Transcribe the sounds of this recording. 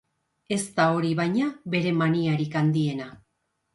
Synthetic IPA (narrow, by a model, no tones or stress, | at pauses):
e̞st̪ao̞ɾiβajɲaβe̞ɾe̞maniaɾikand̪ie̞na